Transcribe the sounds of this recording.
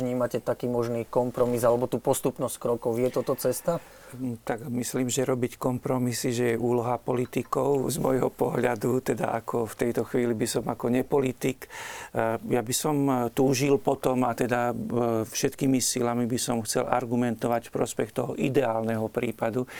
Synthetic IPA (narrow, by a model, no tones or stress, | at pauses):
ɲiːmacɛt̪akiːmɔʒniːkɔmpɾɔmizalɛbɔt̪uːpɔst̪upnɔsckɾɔkɔʊjɛt̪ɔt̪ɔt͡sɛst̪a | t̪aɡmisliːmʒɛɾɔbickɔmpɾɔmisiʒɛjɛʔuːlɔɦapɔlit̪ikɔʊzmɔjɦɔpɔɦʎad̪ut̪ɛd̪a̰ʔakʰɔft̪ɛjt̪ɔxʋiːlibisɔmakɔɲɛpɔlit̪ik | jabisɔmt̪uːʒilpɔt̪ɔmat̪ɛd̪afʃɛt̪kimisilamibisɔmxt͡sɛ̰lʔa̰ɾɡumɛnt̪ɔʋacfpɾɔspɛxt̪ɔɦɔʔid̪ɛaːlnɛɦɔpɾiːpad̪u